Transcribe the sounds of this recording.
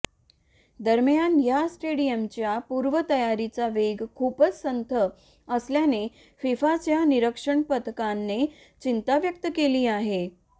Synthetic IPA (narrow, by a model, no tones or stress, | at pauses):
d̪əɾmjanjasʈeɽijəmt͡ɕjapuɾʋət̪əjaɾit͡saʋeɡkʰupət͡ssənt̪ʰə | əsljane | fifat͡ɕjaniɾəkʂəɳpət̪kanːe | t͡ɕint̪aʋjək̚t̪əkeliːaɦe